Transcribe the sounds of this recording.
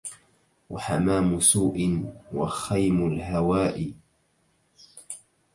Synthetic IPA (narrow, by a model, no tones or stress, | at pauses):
waħamaːmʊsuːʔɪnwa̰xajmʊlɦawaːʔɪ